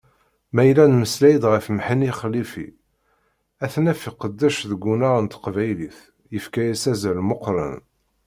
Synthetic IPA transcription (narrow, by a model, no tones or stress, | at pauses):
mæjlænməslæjd̪ʁəfmħiniχlifḭ | æθnæfiqəd̪ːæʃðəɡʷːunaʁənt̪qvæjliθ | jəfkæjæsæzælmoqɾˤə̰n